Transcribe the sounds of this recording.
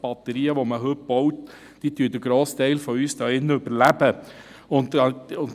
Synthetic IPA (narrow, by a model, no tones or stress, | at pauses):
b̥ɑt̪əɾiːəʋoməɦøt̚b̥ɔwt̪ | d̥iːt̪yəd̪əɡ̥ɾoːst̪ɛɪlfɔyːsd̥ɑːɪnːəøbəɾlæbə | ʊnt̪ʊn